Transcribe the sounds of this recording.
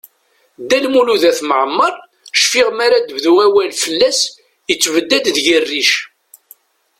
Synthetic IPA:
d̪ælmuluðæθməʕəmːəɾˤ | ʃfɪʁmaɾad̪əvðuæwælfəlːæs | jət͡sːvəd̪ːæd̪ðʝərːiʃ

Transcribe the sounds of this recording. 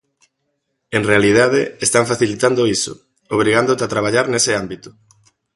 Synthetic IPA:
eŋrealið̞aðeest̪aɱfaθilit̪and̪oiso̰ | oβ̞ɾiɣand̪ot̪at̪ɾaβ̞aʎaɾnesɪambit̪ʊ̥

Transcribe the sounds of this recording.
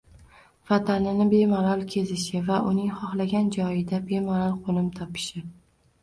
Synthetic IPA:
vat̪ʰanɪnɪbe̞maɾɒlˠkʲʰe̞zɪʃɪvaʔʊnɪŋχɒχlaɡʲand͡ʒɒjɪd̪abe̞maɾɒlˠqʰonɪmt̪ʰɒpʰɪ̥ʃɪ

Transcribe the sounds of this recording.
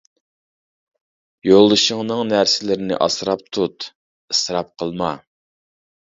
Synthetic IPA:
jolˠɨʃəŋnɨŋnæɾsɪlɪɾɪnɪ̰ʔɑsɾɑp̚t̪ʰut̪ | ɨsɾɑp̚qʰəlˠmɑ

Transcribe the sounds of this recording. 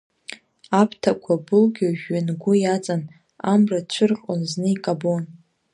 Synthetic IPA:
apʰtʰakʷʰabʊlɡʲaʒᶣːanɡʷʊjat͡sʼan | amrat͡ɕʷʰʊrqʼonznɨikʼabon

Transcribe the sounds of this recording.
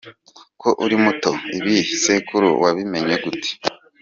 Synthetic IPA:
kʰo̞ʔuɾimuto̞iβisekuɾṵwaβime̞ɲe̞ɡuti̥

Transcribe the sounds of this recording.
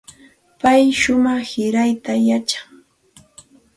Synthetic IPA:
pajʃʊmɑχhɪɾajt̪ajat͡ʃḁŋ

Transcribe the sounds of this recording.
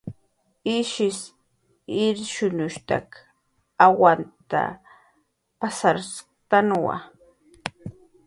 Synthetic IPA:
ɪʃɪs | ɪɾʃʊnʊʃt̪a̰k | awant̪a̰ | pasaɾs | t̪anwa̰

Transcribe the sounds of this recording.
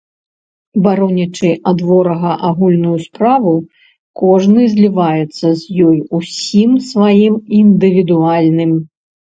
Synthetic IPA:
baɾɔnʲɐt͡ʂɨʔad̪vɔɾɐɣɐʔaɣulʲnujuspɾavu | kɔʐnɨzʲlʲivajɛt̪sːɐzʲjɔjusʲimsvajimind̪ɨvʲid̪ualʲnɨm

